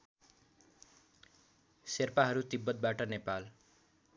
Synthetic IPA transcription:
serpaɦʌɾut̪ibːʌt̪̚baʈʌnepal

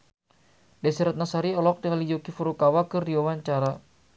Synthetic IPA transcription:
dɛsɛɾat̪̚nasaɾiɔlɔk̚dəŋalid͡ʒokifuɾukawakɨrdiwawaɲt͡ʃaɾa

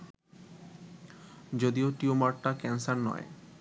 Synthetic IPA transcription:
d͡ʑod̪ioʈiumaʈʈːakɛnsaɾnɔ̰e

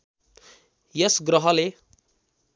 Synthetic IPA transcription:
jʌsɡrʌɦʌle

